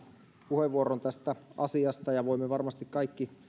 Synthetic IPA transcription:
puheʋʋuoɾont̪æst̪æʔɑsiɑst̪ɑjɑʋoimːeʋɑrmɑst̪ikkɑikːi

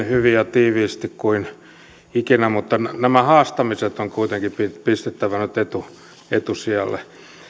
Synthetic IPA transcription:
hyʋijɑt̪iːʋiːst̪ikkuin | ikinæmut̪ːɑnnæmæhɑːst̪ɑmiset̪oŋkuit̪eŋkipipist̪et̪ːæʋænyt̪et̪u | et̪usiɑlːḛ

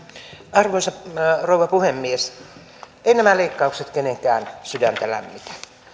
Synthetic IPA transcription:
ɑrʋoisɑrouʋɑpuhemːies | einæmæleikːɑukset̪keneŋkæːnsydænt̪ælæ̰mːit̪æ̥

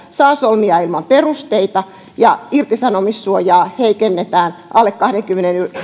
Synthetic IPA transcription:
sɑːsolmiɑilmɑmperust̪eit̪ɑ | jɑirt̪isɑnomisːuojɑːheikenːet̪æːnʔɑlːekkɑhdeŋkymːeneny

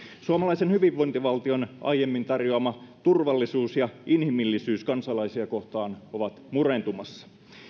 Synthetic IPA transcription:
suɑmɑlɑisenhyʋiʋːo̞jnt̪iʋɑlt̪io̞nʔɑ̰jjemːint̪ɑrjoɑmɑt̪urʋɑlːisuːsjɑʔinhimilːisyːskɑnsɑlɑisiɑko̞ht̪ɑːnoʋɑt̪murent̪umɑsːɑ̥

